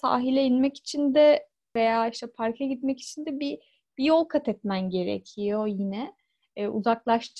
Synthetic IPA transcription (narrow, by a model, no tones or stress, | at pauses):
sa̰ːɦilʲɛinmɛci̥t͡ʃʰind̪ɛ | ve̞jaːiʃt̪ʰɛpʰaɾkʰaɟit̪mɛci̥t͡ʃʰind̪ɛbi | b̥ijo̞lˠkʰat̪ʰɛt̪mænɟe̞ɾḛcʰijo̞jinɛː | ṵzaklˠaʃt̪ʰ